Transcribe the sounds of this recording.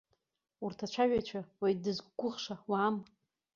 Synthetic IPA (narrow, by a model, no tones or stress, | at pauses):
urtʰat͡ʃʷʰaɥᶣat͡ʃʷʰawajdɨzɡʷʊʁʂawaːm